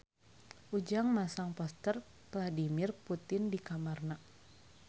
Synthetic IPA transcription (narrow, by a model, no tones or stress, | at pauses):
ʔud͡ʒaŋmasaŋpɔst̪ər | vladimirput̪ɪndikamarna